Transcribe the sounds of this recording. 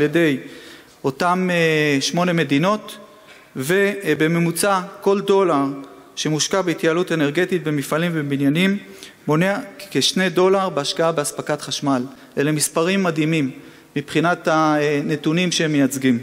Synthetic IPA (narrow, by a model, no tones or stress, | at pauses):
aljede̞j | o̞tameʃmo̞ne̞me̞dino̞t̪ | ve̞be̞me̞mut͡sako̞ldo̞laʁʃemuʃkabeit̪jaːlute̞neʁɡe̞tit̪̚bemifalimvebinjanimː | o̞neakeʃne̞jdo̞laʁbeaʃkaabeaspakatχaʃmal | ʔelemispaʁimːadimimː | ipχinatane̞tunimʃehemːejat͡sɡim